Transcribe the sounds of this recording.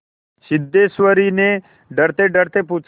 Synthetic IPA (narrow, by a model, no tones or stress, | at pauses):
sɪd̪ːesʋəɾine | ɖəɾt̪eɖəɾt̪eput͡ʃ